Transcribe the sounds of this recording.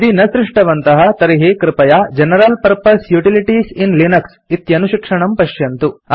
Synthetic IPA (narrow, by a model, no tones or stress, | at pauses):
d̪inɐsɾɪʂʈɐʋɐnt̪ɐɦɐt̪ɐɾiɦekɾɪpɐjaːd͡ʒɐnɐɾɐlpɐɾpɐsjuʈiliʈisinlinɐks | it̪jɐnuʃikʂɐɳɐmpɐʃjɐnt̪u